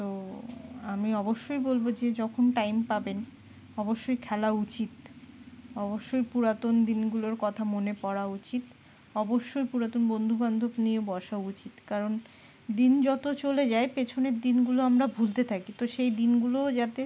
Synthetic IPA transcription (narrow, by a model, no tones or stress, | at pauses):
t̪o | amiɔboʃːojbolbod͡ʑed͡ʑɔkʰonʈajmpaben | ɔboʃːojkʰɛlaut͡ɕit̪ | ɔboʃːojpuɾat̪ond̪inɡuloɾkɔt̪ʰamonepɔɾaut͡ɕit̪ | ɔboʃːojpuɾat̪onbond̪ʱuband̪ʱobnieobɔʃaout͡ɕit̪kaɾon | d̪ind͡ʑɔt̪ot͡ɕoled͡ʑaepet͡ɕʰoneɾd̪inɡuloamɾabʱult̪et̪ʰakit̪oʃejd̪inɡulod͡ʑat̪e